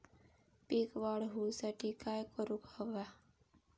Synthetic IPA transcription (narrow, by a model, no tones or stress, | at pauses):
pikʋaɽɦusaʈikajkɔɾukɔɡa